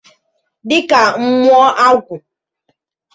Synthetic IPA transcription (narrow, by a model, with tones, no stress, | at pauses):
dɪ˦ka˨ŋ͡m̩˦mʷ˦ɔ˦ʔa˦kʷu˨